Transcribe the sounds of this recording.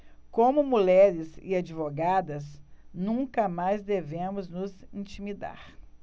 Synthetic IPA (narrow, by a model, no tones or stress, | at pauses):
kõmʊmulɛɾɪzɪ̰ad͡ʒivoɡad̪ɐznũkɐmajzd̪evẽmʊznʊzĩt͡ʃimid̪a̰ɾ